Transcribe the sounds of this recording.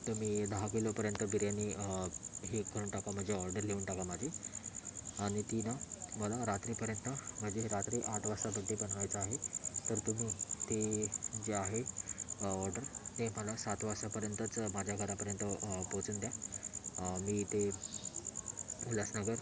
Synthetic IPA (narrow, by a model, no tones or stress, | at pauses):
t̪əmiːd̪əɦakilopəɾjənt̪əbʱiɾjani | ɦekəɾuːɳʈakam̤əɳd͡zʱeɔɾɖəɾleuːɳʈakamad͡ʑʱe | aɽ̃it̪inaməlaɾat̪ɾiːpəɾjənt̪əm̤əɳd͡ʑeɦeɾat̪ɾiːʔaʈ̪ʰʋasabəɡːebənʋajt͡səaɦet̪əɾt̪um̤iːt̪ed͡ʑeaɦe | ɔɾɖəɾt̪eməlasat̪ʋasapəɾjənt̪ət͡smad͡ʑʱjaɡʱəɾapəɾjənt̪əpot͡suːnd̪ja | miːt̪e | muljasnəɡəɾ